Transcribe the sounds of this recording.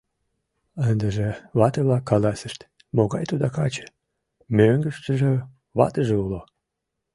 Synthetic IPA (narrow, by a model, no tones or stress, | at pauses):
ənd̪əʒeβɑt̪əβlɑkːɑlɑsəʃt̪ | moɣɑjt̪od̪ɑkɑt͡ɕə̥ | møŋɡəʃt̪əʒe | βɑ̰t̪əʒeulo